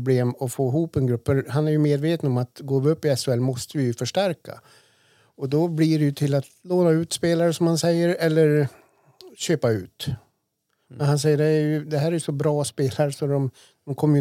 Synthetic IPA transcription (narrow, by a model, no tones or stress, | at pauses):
bleːmɔfoːɪɦuːpɛnɡɾɵpːfœɾhanæɾjɵmeːd̪veːt̪ənɔmat̪ɡoːvɵpːɪɛsʊɛlːmɔst̪əvɪjɵfœʂʈæɾka̰ | ɔd̪ɔbliɖɛjɵt̪ʰɪlːat̪loːnaʉ̟ːt̪speːlaɾəsɔmhansɛjːəɾɛlːəɾ | ɕøːpaʉ̟ːt̪ | mmɛnhans̬ɛjːəɖɛæɾjɵd̪ɛɦæːɾæɾjɵsɔbɾɑːspeːlaɾəʂɔd̪ɔm | d̪̥ɔmkʰɔmːəj